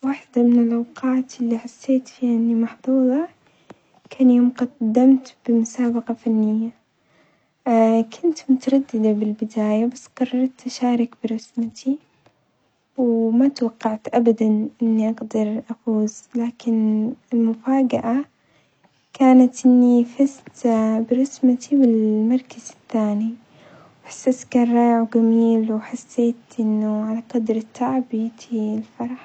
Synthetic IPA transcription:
waːħd̪amɪnɪlʔawqɑːt̪ʔɪlːiħasːeːt̪fiːʔɪnːimɑħðˤuːðˤɑ | kʰanjamqɑd̪ːamt̪b̥ɪmʊsaːbɑqɑfanːɪjːa | kʰʊnt̪mʊt̪aɾˤɑd̪ːɪd̪abɪlbɪd̪aːjabasːqɑrˤːɑɾˤt̪ʔaʃaːɾˤɪkbɪɾˤɑsmat̪ʰi | wmat̪wɑqːɑʕt̪ʔabad̪anʔɪnːiʔaɡd̪ɑɾˤʔafuːzlaːkɪnɪlmʊfaːɡaʔa | kaːnat̪ʔɪnːifɪst̪bɾˤɑsmat̪ʰiwɪlmɑɾˤkazɪθːaːni | wħḁsːat̪kɑrˤːɑːjʕɡamiːlwħasːeːt̪ʔɪnːʊʕalaqɑd̪ɾɪt̪ːaʕbit̪ʰilfɑɾˤɑħ

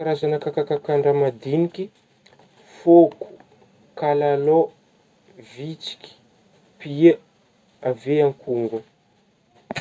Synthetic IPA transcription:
aɾazanəkakakakaɳɖ͡ʐamad̪inikʲi | foku̥ | kalalo | vit͡si̥kʲi̥ | pia | aveaŋkʰuŋɡu

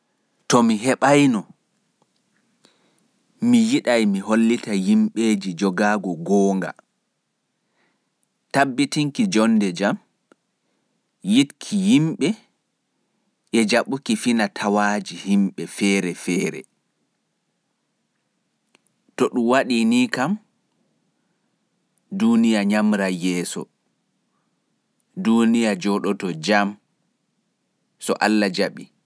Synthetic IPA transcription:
tɔmiɦɛɓajnɔ | mijiɗajmiholːitajimɓeːd͡ʒid͡ʒɔɡaɡɔɡɔːŋɡa̰ | tabːitiŋkid͡ʒɔndɛd͡ʒam | jitkʰijimɓɛ | ʔɛd͡ʒaɓukifinatʰawad͡ʒihimɓɛfɛːɾɛfɛːɾɛ̰ | tɔɗumwaɗinikam | dunijaɲamɾajɛːsɔ̰ | dunijad͡ʒɔɗɔtɔd͡ʒam | sɔ̰ʔalːad͡ʒaɓi

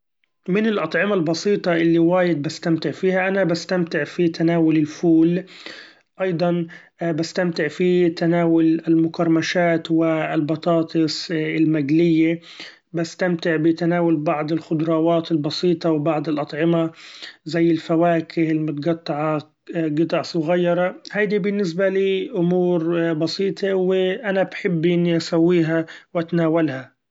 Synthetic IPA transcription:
mɪnɪlʔɑt̪ˤʕɪmalbɑsiːt̪ˤɑʔɪlːiwaːjɪd̪̚bast̪amt̪ɪʕfiːhaʔanabast̪amt̪ɪʕfit̪ʰanaːwʊlɪlfuːl | ʔɑjd̪ˤɑn | bast̪amt̪ɪʕfit̪anaːwʊlɪlmʊkɑɾˤmaʃaːt̪wɪlbɑt̪ˤɑːt̪ˤɨsɪlmaɡlɪjːe | bast̪amt̪ɪʕbɪt̪anaːwʊlbɑʕd̪ˤɪlxʊd̪ɾˤɑːwɑːt̪ɪlbɑsiːt̪ˤɑwbɑʕd̪ˤɪlʔɑt̪ˤʕɪmazajːɪlfawaːkʰɪhɪlmʊt̪ɡɑt̪ˤːɑʕɑ | ɡɪt̪ˤɑʕsˤʊɣajːɑɾˤɑhajd̪ibɪnːɪs̬baliːʔʊmuːɾbɑsiːt̪ʰˤewɪʔanabħɪbːʔɪnːiʔasawːiːɦawʔat̪naːwalha

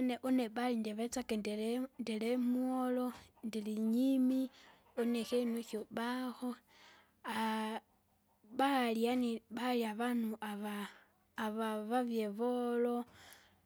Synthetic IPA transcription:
oneʔuneβalindiβet͡sakendndelemwolondiliɲimi | onexenuxoβaxo | a | βaljaniβaliaβanuʔaβaː | βaβaβjeβolo

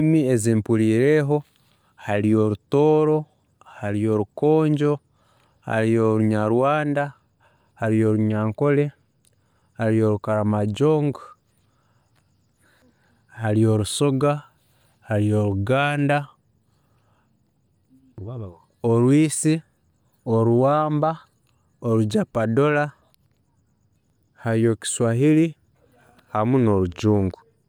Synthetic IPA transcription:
mie̞zimpuɾiːɾe̞ːɦo̞ | haɾijo̞ɾuto̞ːɾo̞ | haɾijo̞ɾuko̞ːɲɟo̞ | ha̰ɾijoɾuɲaɾwaːnda | haɾijo̞ɾuɲaːŋko̞le̞ | haɾijo̞ɾukaɾamaɟo̞ːŋɡ | haɾijo̞ɾusoɡa | haɾio̞ɾuɡaːnda | oɾwiːsi | oɾuwaːmba | oɾuɟapadola | haɾijo̞ki̥swahiɾi | hamuno̞ɾuɟuːŋɡu

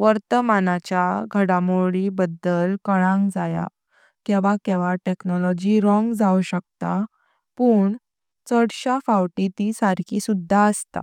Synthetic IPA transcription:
ʋəɾt̪əmanat͡ɕjaɡʱəɽamoɭibəd̪əlkəɭãŋɡd͡zaja̰ | keʋakɛʋaʈeknɔlɔd͡ʑiɾɔ̃ŋɡd͡zauɕək̚t̪a | puːɳ | t͡səɽɕafawʈit̪isaɾkʰisud̪ʱːaəst̪a̰

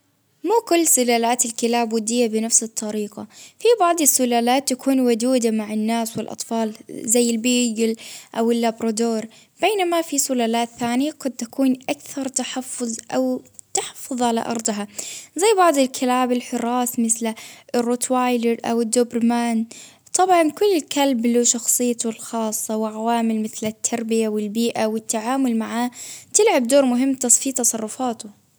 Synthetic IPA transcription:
muːkʊlːsʊlaːlaːt̪ɪlkɪlaːbwʊd̪ɪjːabɪnafsɨt̪ˤʰːɑɾiːqafibɑʕd̪ˤɪsːʊlaːlaːt̪ːakʰuːnwʊd̪uːd̪amaʕɪnːaːswɪlʔɑ̰t̪ˤfɑːlzajːɪlbiːɡɪlʔawɪlːabɾˤɑd̪oːɾ | b̥eːnamafisʊlaːlaːt̪θaːnɪjaɡad̪̚t̪akuːnʔakθɑɾˤt̪aħɑfːʊðˤʔawt̪aħɑ̥fːʊðˤʕala̰ʔɑ̰ɾˤd̪ˤɦazajːbɑʕd̪ˤɪlkʰɪlaːbɪlħʊɾˤɑːsmɪθlɪrːoːt̪waːjdɪɾʔa̰wɪd̪ːʊbɾmaːn | t̪ˤɑbʕɑnkʊlːɪlkalbluːʃɑxsˤɨjːat̪ʊlxɑːsˤːɑwɪʕawaːmɪlmɪθlɪt̪ʰːɑɾˤbɪjawɪlbiːʔawɪt̪ːaʕaːmʊlmaʕaːt̪ɪlʕab̚d̪oːɾmʊɦɪmːt̪ɑsˤfit̪ɑsˤɑrˤːʊfaːt̪ʊ

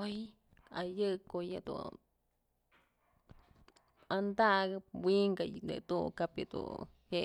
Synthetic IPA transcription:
oj | ajɨkojad̪ṵ | and̪aɡɨp̚wiŋɡajnɨ̰d̪ṵkapja̰d̪ṵ | he

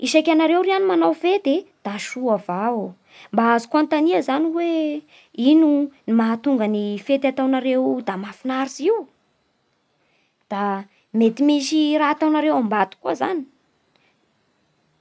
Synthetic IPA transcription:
iʃajkʲanaɾewɾianimanawfet̪ed̪̥aʃuavao | mbaazi̥kuant̪aniəzaniwe | inunimaɦat̪uŋɡənifet̪at̪awnaɾewd̪amafinaɾiziw | d̪̥a | met̪imiʃiɾaat̪awnaɾewambat̪u̥kuəzani̥

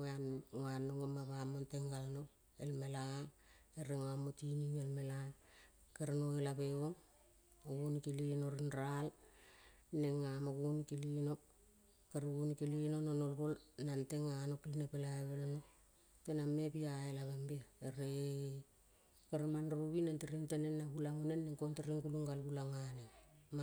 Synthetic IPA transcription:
anŋoanːoŋomaβamonteŋɡalno | elmela | eɾeŋoamotiniŋelmela | keɾnoelaβeβoŋ | oɡunkilinoɾinɾal | neŋamoɡunkilinok | keɾɡunikilinononolɡolnanteŋanokːlinepelaeβelono | tenamːepiaelaβambeeɾe | keɾmanɾuβinanteɾiŋtenenːaɡulaŋunenːeŋkonteɾiŋkuluŋɡalɡulaŋanema

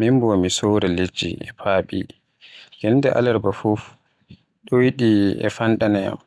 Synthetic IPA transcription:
mimbɔamisowɾɛled͡ʒːḭʔɛpʰaːɓi | ɡɛndɛʔa̰lɛɾbafuf | ɗɔjiɗiɛ̰fandanaja̰m

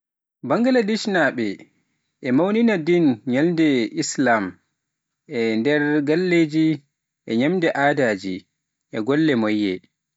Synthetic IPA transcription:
baŋɡaladiʃnaɓɛ | ʔɛmawninadinɲalndɛislam | ʔɛndɛɾɡalːeːd͡ʒi | ʔɛɲamdɛʔaːdaːd͡ʒi | ʔɛɡɔlːɛmɔjːɛ̰

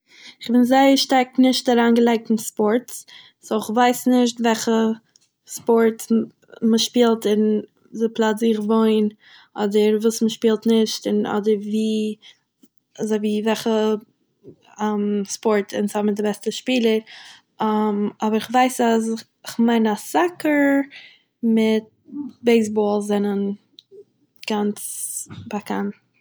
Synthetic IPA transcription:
ɪχbɪnzaɪəɾʃtaɾknɪʃt̚daɾaːnɡəlˠaɪk̚tn̩spɔɾts | soɪχvaɪsnɪʃtvɛlχə | spɔɾt | məʃpiːlˠtɪn | zɪplˠazɪχvoɪn | ɔdəɾvuːsməʃpiːlˠtnɪʃtɪnɔ̰dəɾviː | azoɪviːvɛlχə | mspɔɾtʰɪ̰nshɔmɪt̚dɪbɛstəʃpiːlˠəɾ | mɔbəɾɪχvaɪsasɪ | ɪχmaɪnasakəɾ | mɪt̚beɪs̬bɔːlˠszɛnən | ɡ̥ant͡sbakʰan

